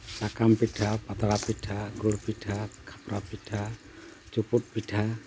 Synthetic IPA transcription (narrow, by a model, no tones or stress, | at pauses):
sakampiʈʰapat̪aɽapiʈʰaɡuɽpiʈʰakʰḁpɾapiʈʰa | t͡ʃuput̚piʈʰa